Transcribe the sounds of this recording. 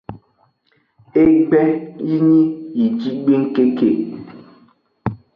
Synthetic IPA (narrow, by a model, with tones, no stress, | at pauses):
e˦k͡pɛ˦ji˦ɲi˦i˨d͡ʒi˦ɡ͡be˦ŋ̩˦ke˦ke˨